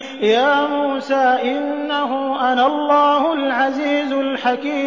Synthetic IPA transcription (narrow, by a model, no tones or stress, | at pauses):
jaːmuːsaːʔɪnːaɦʊʔanaɑlˤːɑːhʊlʕaziːzʊlħakiː